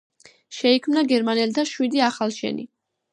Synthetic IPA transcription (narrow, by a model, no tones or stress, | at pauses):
ʃɛikʰmnaɡɛɾmanɛlt̪ʰaʃwid̪iaχalˠʃɛ̰nḭ